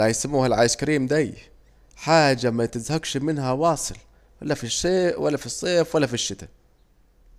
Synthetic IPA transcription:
ajsamːuːhalʕaːjʃkaɾiːmd̪aj | ħaːd͡ʒːamat̪ɪzhaɡʃmɪnhawɑːsˤɨl | walːafiʃeːwalːafisˤːeːfwalːafiʃːɪt̪a

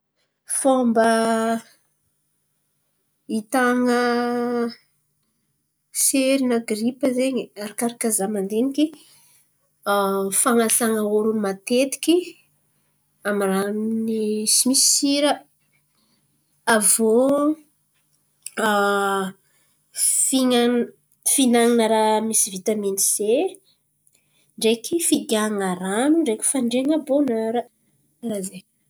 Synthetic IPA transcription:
fombə | it̪aŋə | seɾinaɡɾipəzeɲiaɾakaɾakazamand̪eniki | faŋasaŋəoɾumat̪et̪i̥kʲi | amiɾannisimisi̥siɾə | avo | fiŋa | finaŋinəɾamisivit̪amenise | ɳɖ͡ʐekifiɡaŋaɾanuɳɖ͡ʐekʲi̥faɳɖ͡ʐeŋəbonaɾə | razej

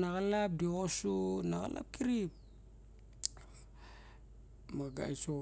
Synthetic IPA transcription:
naɣalap̚diosunaɡa̰la̰p̚kiɾip | maɡa̰jso

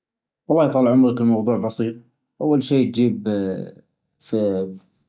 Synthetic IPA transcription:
wɑlˤːɑːjt̪ˤɑːlʕʊmɾɪkɪlmɑwðˤuːʕbɑsiːt̪̚ˤ | ʔawːalʃiːt̪̚d͡ʒiːb | fi

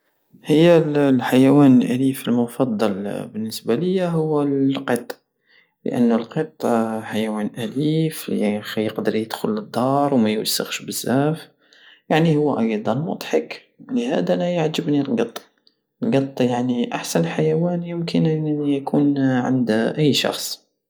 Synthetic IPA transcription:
həjːællħajæwænəlʔælifəlmʊfɑd̪ˤːɑlbənːəsbaləjːaɦʊwːælqət̪ˤː | lə̰ʔə̰nːʊlqət̪ˤːħajæwænʔæliflḭxjəqd̪əɾjəd̪̥xʊləd̪ˤːɑɾˤwmæjwasːə̰ɣʃbəzːæf | jaʕnihʊwːæʔɑjd̪ˤɑnmʊ̰t̪ˤħək | ləhæ̰d̪aænæjaʕd͡ʒəbnilɡɑt̪ˤː | lɡɑt̪ˤːjaʕniʔaħsænəlħajæwænjəmkənʔəjkʰunʕa̰nd̪ʔəjːʃɑ̰xsˤ

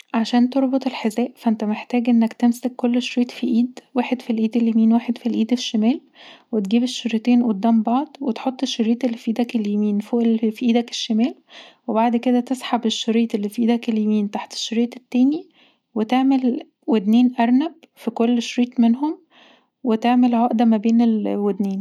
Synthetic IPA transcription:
ʕaʃæːnt̪oɾˤbot̪ˤelħezæːʔfæʔent̪æmeħt̪æːɡʔenːækt̪emsækːolːʃɾiːt̪fiʔiːd̪wæːħed̪filʔiːd̪eljemiːnwæːħed̪filʔiːd̪eʃːæmæːl | wet̪ɡiːbeʃːoɾit̪eːnʔod̪ːæːmbɑʕd̪ˤwet̪ħot̪ˤːeʃːoɾiːt̪ˤʔelːifʔiːd̪ækeljemiːnfoːʔelfiʔiːd̪æke̥ʃːemæːlwebaʕd̪ked̪æt̪esˤħɑbeʃːoɾiːt̪elːiːfiʔiːd̪ækeljemiːnt̪aħt̪e̥ʃːoɾiːt̪ˤet̪ːæːni | wet̪eʕmel | wed̪neːnʔæɾˤnæb̚ | fikolːʃɾiːt̪menhom | wet̪eʕmelʕɑːʔd̪æmæbeːnelwed̪neːn

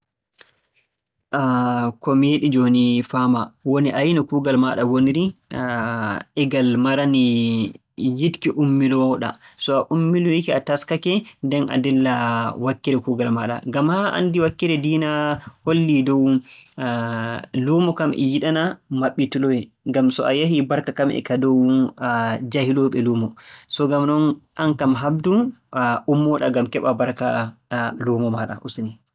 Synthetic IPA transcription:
ʔakɔmeɗid͡ʒonifamawoniʔajnɔkuːɡalmaɗawoniɾi | ʔɛɡalmaɾani | jitkiʔumːilɔɗa̰sɔaʔumːiluikiataskakɛndɛna̰dɛlːawakːiɾɛkuːɡalmaɗa̰ɡamhaʔa̰ndiwakːiɾɛdiːnaholːidɔw | lumɔkamʔɛ̰jiɗanamaɓːitulɔwɛ | ŋɡamsɔ̰ajaɦibaɾkakamʔɛ̰kadɔw | d͡ʒahilɔɓɛluːmɔsɔɡamɗɔnankamɦab̚duʔumːɔɗaɡamkɛɓabaɾka | luːmɔmaɗa̰ʔusni

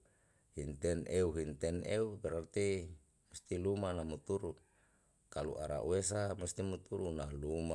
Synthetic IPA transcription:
hint̪ɛnʔeuɦint̪ɛneubɛɾart̪i | must̪ilumanamut̪uɾu | kalṵʔaɾa̰ʔṵes̬amust̪imut̪uɾunaɦluma

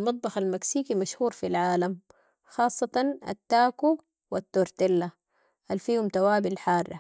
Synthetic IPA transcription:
lmɑt̪̚ˤbɑxalmaksiːkimaʃhuːɾfilʕaːlam | xɑːsˤːɑt̪ɑna̰t̪ːaːku | wat̪ːoːɾt̪ɪlːa | halfiːhumt̪awaːbilħɑːrˤːɑ̰

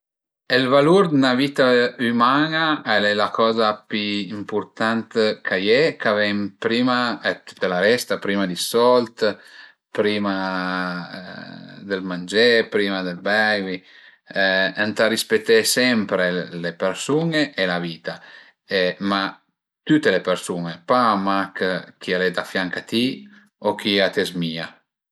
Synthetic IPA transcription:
elvaluɾd̪naviːt̪aymaːnaɛlɛlakɔːzapiimpuɾt̪ant̪kʰajɛkavɛmpɾiːmaɛt̪u̥t̪ːalaɾɛst̪apɾiːmad̪isɔlt̪ | pɾiːma | d̪elmand͡ʒepɾimad̪elbɛjvi | ant̪arispet̪ːɛsɛmpɾelepeɾsuŋeʔːlaviːt̪a | ema | t̪ut̪ːelepeɾsuŋepamakk̟ialed̪afjaŋkat̪i | ok̟iat̪ezmiːa

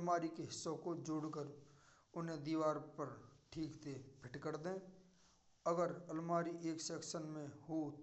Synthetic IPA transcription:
maːɾikeɦɪsːõkod͡ʒoːɽkəɾ | ʊnɦẽd̪iːʋaːɾpəɾʈʰiːkt̪ʰepʰɪʈkəɾd̪ẽː | əɡəɾɐlmaːɾiʔeːksɛːkʃənmẽho

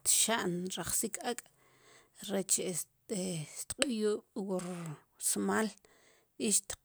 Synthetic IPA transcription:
t̪ʃaʔnɾaχsikʰakʼ | ɾet͡ʃe | et̪qʼujuːɓ̥woɾ | smaːl | iʃt̪

